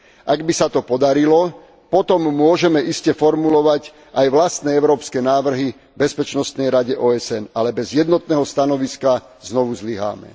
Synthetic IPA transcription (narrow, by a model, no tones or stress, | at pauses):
ʔaɡbisat̪ɔpɔd̪aɾilɔ | pɔt̪ɔmːʊɔʒɛmɛʔiscɛfɔɾmulɔʋac | ajʋlast̪nɛɛʊɾɔːpskɛnaːʋr̩ɦi | bɛspɛt͡ʃnɔst̪nɛjɾaɟɛʔɔːɛsɛnalɛbɛzjɛd̪nɔt̪nɛːɦɔst̪anɔʋiska | znɔʋuzliɦa̰ːmɛ̰